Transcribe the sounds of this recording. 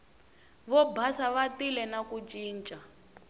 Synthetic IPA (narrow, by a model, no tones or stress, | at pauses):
βɔbʱasaβatilɛnakut͡ʃʼiːnt͡ʃʼa